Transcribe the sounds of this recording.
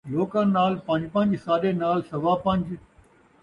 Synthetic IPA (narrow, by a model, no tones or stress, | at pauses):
loːkə̃naːlpɐ̃ɲd͡ʑpɐ̃ɲd͡ʑsaːɗenaːlsɐʋapɐ̃ɲd͡ʑ